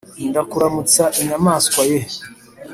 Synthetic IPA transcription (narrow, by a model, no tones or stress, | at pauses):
ndakuɾamut͡saʔiɲamaːskwaje